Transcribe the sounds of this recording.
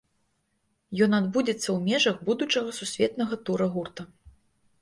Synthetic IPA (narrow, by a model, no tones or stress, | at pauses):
jɔnad̪bud͡zʲɛt̪sːɐwmʲɛʐɐɣbud̪ut͡ʂɐɣɐsusʲvʲɛt̪nɐɣɐt̪uɾɐɣurt̪ɐ